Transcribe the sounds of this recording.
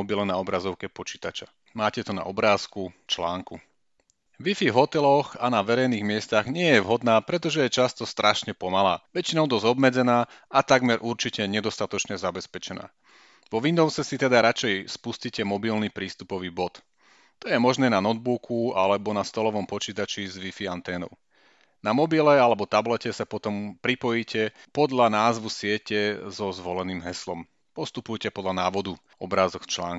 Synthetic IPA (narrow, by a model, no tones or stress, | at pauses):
ɔbilɛnaɔbɾazɔʊkɛpɔt͡ʃiːt̪at͡ʃa | maːcɛt̪ɔna̰ɔbɾaːskut͡ʃlaːŋku | ʋifivɦɔt̪ɛlɔxanaʋɛɾɛjniːɣmɪɛst̪aɣɲɪɛjɛʋɦɔd̪naːpɾɛt̪ɔʒɛjɛt͡ʃast̪ɔst̪ɾʔaʃɲɛpɔmalaːʋɛt͡ʃinɔʊd̪ɔzɔbmɛd͡zɛnaːat̪aɡmɛɾʔuɾt͡ʃicɛɲɛd̪ɔst̪at̪ɔt͡ʃɲɛzabɛspɛt͡ʃɛna̰ː | ʋɔʋind̪ɔʊsɛsit̪ɛd̪aɾat͡ʃɛjspuscicɛmɔbilnipɾiːst̪upɔʋiːbɔt̪ | t̪ɔjɛmɔʒnɛːnanɔd̪̚bukʰualɛbɔnast̪ɔlɔʋɔmpɔt͡ʃiːt̪at͡ʃizʋifiant̪ɛːnɔ̰ʊ | namɔbilɛalɛbɔt̪ablɛcɛsapɔt̪ɔmpɾipɔjicɛpɔd̪ʎanaːzʋusɪɛcɛzɔzʋɔlɛniːmɦɛslɔm | pɔst̪upujcɛpɔd̪lanaːʋɔd̪u | ɔbɾaːzɔkt͡ʃla̰ːŋk